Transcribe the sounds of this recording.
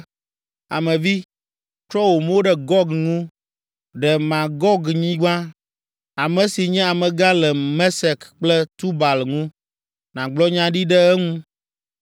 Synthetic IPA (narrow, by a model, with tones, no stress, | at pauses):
a̰˨mɛ̃˨vi˦ | t̪ɾɔ˦wo˨mwo˦ɖɛ˨ɡɔ˦ɡŋũ˦ | ɖɛ˨mã˨ɡɔ˦ɡɲĩ˦ɡ͡bã˦ | a˨mɛ̃˨si˨ɲɛ̃˦a˨mɛ̃˨ɡa˦lɛ˨mɛ̃˦sɛ˨kk͡plɛ˦t̪u˦ba˨lŋũ˦ | nã˨ɡ͡blɔ˦ɲã˦ɖi˦ɖɛ˦ɛ˦ŋũ˦